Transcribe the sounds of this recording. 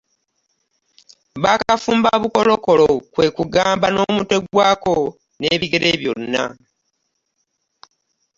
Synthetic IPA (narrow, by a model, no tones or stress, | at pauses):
βakafuːmbaβuko̞lo̞ko̞lokwe̞kuɡaːmbano̞ːmute̞ɡwaːko̞ | neːβiɡe̞ɾe̞ːβjo̞̰nːa̰